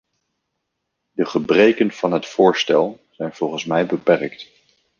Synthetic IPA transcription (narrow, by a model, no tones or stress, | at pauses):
dəχəbrejkənv̥ɑnɦətfʊːɹstɛlˠ | z̥ɛjnv̥ɔlˠχənsmɛjbəpɛrkt